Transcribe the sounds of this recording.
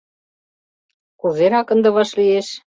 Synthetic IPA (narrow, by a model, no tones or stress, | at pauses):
kuzeɾɑkɤ̆nd̪ɤ̆βɑʃlieʃ